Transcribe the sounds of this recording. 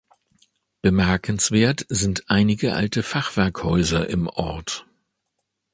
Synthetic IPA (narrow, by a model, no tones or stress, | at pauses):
b̥əmɛɐkʰn̩sv̥eːɐtz̥ɪntʔaɪnɪɡəʔa̰ltəfaχv̥ɛɐkhɔʏzɐʔɪmʔɔ̰ɐt